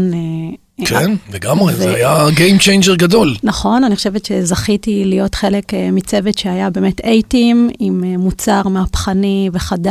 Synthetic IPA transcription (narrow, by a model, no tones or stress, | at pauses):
n | kʰnleɡamʁevzeajaɡejmt͡ʃejnd͡ʒeʁɡado̞lnaχo̞nanixχo̞ʃevetʃezaχitilijo̞tχe̞lekmit͡se̞vetʃehajabeːmetʰejtimimemut͡saʁmeapχaniveχad